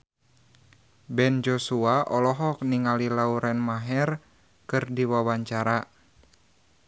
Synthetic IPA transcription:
bɛnd͡ʒosuaʔɔlɔɦɔk̚niŋalilauɾɛnmaɦɛr | kɨrdiwawaɲt͡ʃaɾa

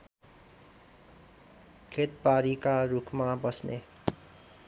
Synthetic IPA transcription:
kʰet̪̚paɾikarukʰmabʌsnḛ

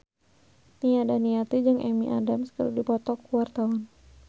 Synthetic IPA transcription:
niadaniat̪id͡ʒɨŋʔɛmiʔadamskəludipɔt̪ɔkuwart̪aʊn

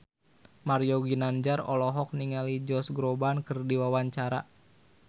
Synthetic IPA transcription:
maɾijɔɡinaɲd͡ʒaɾɔlɔɦɔk̚niŋalid͡ʒɔsɡɾobankɨrdiwawaɲt͡ʃaɾa̰

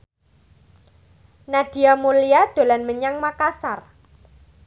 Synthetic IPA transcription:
naɖ̪̥i̤amuliad̪̥o̤lanməɲaŋmakasar

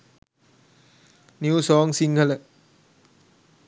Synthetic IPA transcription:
nisɔːŋsiŋkʰalɛʔ

